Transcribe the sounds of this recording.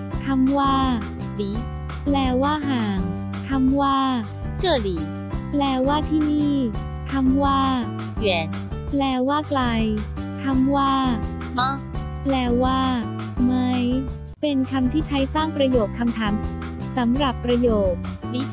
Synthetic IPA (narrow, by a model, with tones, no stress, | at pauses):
t̪ʰa˧mwaː˥˩ | diː˨˦ | plɛː˧˩waː˥˩ɦaː˨˩ŋ | t̪ʰa˧˥mwaː˥˩ | t͡ɕɤ˧˩diː˨˩˦ | plɛː˧˩waː˥˩t̪ʰiː˥˩niː˥˩ | t̪ʰa˧˥mwaː˥˩ | jɛː˨˦n | plɛː˧˩waː˥˩kla˧jt̪ʰa˧˥mwaː˥˩ | mɔ˥˩ | plɛː˧˩waː˥˩ | ma˦˥j | pe˧nkʰa˧mt̪ʰiː˥˩t͡ɕʰa˦˥jsaː˥˩ŋpɾa˧joː˨˩kʰːa˧mt̪ʰaː˩˦m | sa˩˦mɾa˨˩pːɾa˧joː˨˩k̚ni˦˥